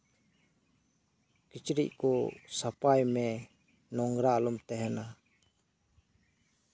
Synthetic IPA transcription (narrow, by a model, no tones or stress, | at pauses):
kit͡ʃɾḭʔ̚kɔsapajmɛ | nɔŋɡɾalumt̪ɛɦɛna